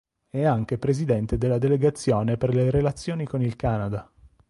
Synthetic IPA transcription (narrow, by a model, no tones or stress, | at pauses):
ɛaŋk̟epɾezid̪ɛnt̪ed̪elːad̪eleɡat̪sːjoːneperleɾelat̪sːjoːnikonilkaːnad̪a